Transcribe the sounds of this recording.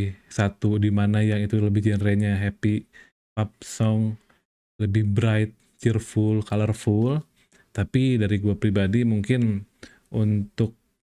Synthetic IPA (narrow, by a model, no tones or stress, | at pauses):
sat̪udimanajaŋit̪uləbɪhd͡ʒɛnɾɛɲaɦɛpi | pap̚sɔŋ | ləbɪhbɾaɪt̪̚ | t͡ʃirfʊlkalərful | t̪apidaɾiɡuapɾibadimuŋkɪn | ʔunt̪ʊk̚